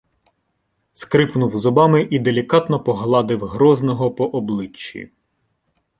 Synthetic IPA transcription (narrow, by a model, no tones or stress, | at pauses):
skɾɪpnuwzɔbɑmɪʔid̪elʲikɑt̪nɔpɔɦlˠɑd̪ɪwɦɾɔznɔɦɔpɔʔɔblˠɪt͡ʃːḭ